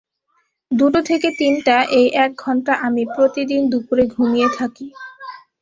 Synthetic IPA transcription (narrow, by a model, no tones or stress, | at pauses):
d̪uʈot̪ʰeket̪inʈaʔejʔɛk̚ɡʱɔɳʈaʔamipɾot̪id̪ind̪upuɾeɡʱumijet̪ʰaki